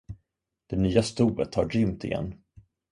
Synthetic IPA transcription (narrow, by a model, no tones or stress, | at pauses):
d̪̥ɛnyːast̪uːvət̪haɖʏmt̪ɪ̰jɛ̰nː